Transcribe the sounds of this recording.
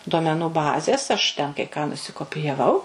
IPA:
duɔmʲɛˈnuː ˈbɑːzʲeːs ɐʃ ˈtʲɛn kɐɪ kɑː nʊsʲɪkoːpʲɪjɛˈʋɐʊ

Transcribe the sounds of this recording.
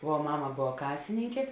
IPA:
ʋuɔ ˈmɑːmɐ ˈboːʋɐ ˈkɑːsʲɪnʲɪŋʲkʲeː

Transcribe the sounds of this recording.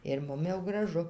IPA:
ɪr ˈmʊm jɛʊ ɡrɐˈʒʊ

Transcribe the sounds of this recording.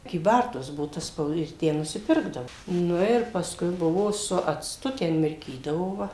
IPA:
kʲiːˈbɐrtuɔs ˈbʊʋoː tɐ ˈspɐʊt ɪr ˈtʲæː nʊsʲɪˈpʲɪrɡdɐʋoː ˈnʊ ɪr pɐsˈkʊɪ ˈbʊʋoː sʊ ɐt͡sˈtʊ ˈtʲɛn mʲɪrʲˈkʲiːdɐʋoː ˈʋɐ

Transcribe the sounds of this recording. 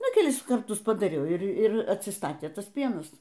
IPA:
ˈnʊ kʲɛlʲˈɪs kɐrˈtʊs pɐdɐˈrʲɛʊ ˈɪr ˈɪr ɐtʲsʲɪˈstɑːtʲeː ˈtɐs ˈpʲiɛnɐs

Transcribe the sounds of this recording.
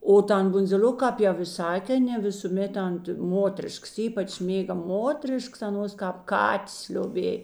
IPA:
oː ˈtɐn bʊnʲd͡zʲɪˈlʲoːkɐ ˈkɑːp jɛʊ ɪ ˈsɐk ɐˈnʲeː nʲɛ ʋʲɪsuːˈmʲeːt ɐnt ˈmoːtʲrʲɪʃks ˈiːpɐt͡ʃ ˈmʲeːɡɐ ˈmoːtʲrʲɪʃks ɐˈnuɔs kɑːp ˈkɑːtʲeːs lʲoːˈbʲeːj

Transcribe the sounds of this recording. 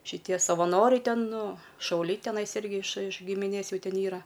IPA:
ʃʲɪˈtʲiɛ sɐʋɐˈnoːrʲɛɪ ˈtʲɛn ˈnʊ ʃɐʊˈlʲɛɪ tʲɛˈnɐɪs ˈɪrʲɡʲɪ ɪʃ ɪʃ ɡʲɪmʲɪˈnʲeːs ˈjuː ˈtʲɛn ˈiːrɐ

